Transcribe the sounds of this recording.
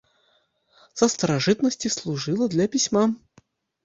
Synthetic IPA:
səst̪əɾɐʐɨt̪nəsʲtʲɪslˠʊʐɨlˠəd̪lʲapʲɪsʲma

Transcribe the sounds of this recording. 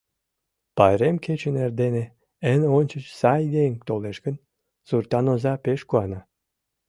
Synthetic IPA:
pɑjɾemket͡ɕənerd̪ene | ənonʲt͡ɕə̆t͡ɕsɑjd̪eŋt̪oleʃkə̆n | surt̪ɑnozɑpeʃkuɑnɑ

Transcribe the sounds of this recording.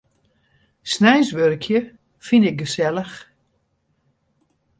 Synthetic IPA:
snɛjsʋørkʰjə | finɪk̚ɡəsɛləx

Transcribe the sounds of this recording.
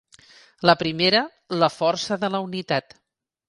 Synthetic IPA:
ləpɾimeɾə | ləfɔɾsəðələunit̪at̪

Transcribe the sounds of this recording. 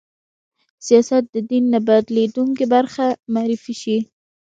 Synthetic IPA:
sijɑsat̪̚d̪əd̪inːabad̪led̪uŋkebaɾxamaɾɪfiʃi

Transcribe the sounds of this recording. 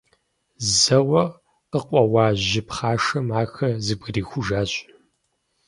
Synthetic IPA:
zɐwɐ | qəqʷʼɔwaːʑɪpχaːʂɐmaːxɐzɨɡʷɨriːxʷʊʒaːɕʼ

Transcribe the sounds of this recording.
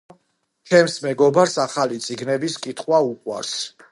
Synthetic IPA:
t͡ʃʰɛmsmɛɡɔbaɾsaχalit̪sʼiɡnɛbiskʼit̪ʰχwaukʼwa̰ɾs

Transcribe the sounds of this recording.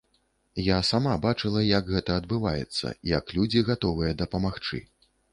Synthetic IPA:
jasamabat͡ʂɨlˠɐjɐɡɣɛt̪ɐːd̪bɨvajɛ̰t̪sːɐ̰jɐklʲud͡zʲiɣat̪ɔvɨjɐd̪ɐpɐmaxt͡ʂɨ̰

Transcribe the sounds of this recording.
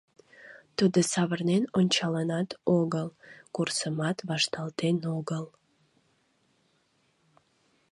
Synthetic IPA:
t̪ud̪əsɑvərnenonʲt͡ʃɑlɑnɑt̪ʰoɡəlˠkursəmɑt̪βɑʃt̪ɑlˠt̪enoɡəlˠ

